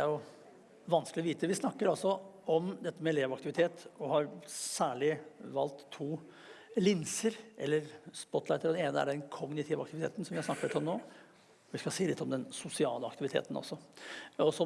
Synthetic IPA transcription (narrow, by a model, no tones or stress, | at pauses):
ɛæɾjʊ | ʋɑnsklɪɔʋiːt̪əʋɪsnɑkːəɾɑlsɔɔmd̪ɛt̪ːəmɛɛleːʋɑkt̪ɪʋɪt̪ʰeːt̪ɔhɑɾsæːɭɪʋɑ̰lt̪ʰːuː | lɪnsəɾʔɛ̰lːəɾspɔt̪ːlɑɪt̪əɾɔd̪ɛneːnəæ̰ɖɛnkʰɔɡnɪt̪ʰɪʋəɑkt̪ɪʋɪt̪ʰḛːt̪n̩sɔmʋɪhɑsnɑkːəɾɪt̪ːɔmnoː | ʋɪskɑsiːlɪt̪ːɔmd̪ɛnsʊsɪɑːləɑkt̪ɪʋɪt̪ʰḛːt̪ən̩ɔ̰sːɔɔsɔ